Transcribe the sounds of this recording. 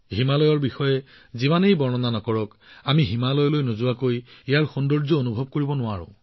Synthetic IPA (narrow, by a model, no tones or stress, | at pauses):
himalɔjɔɹbixɔjɛ | zimanejbɔɹnɔnanɔkɔɹɔk | amiɦimalɔjɔlojnozʊwakojijaɹxɔndɔɹzɔonubʱɔb̚koɹibɔnʊwaɹʊ̰̃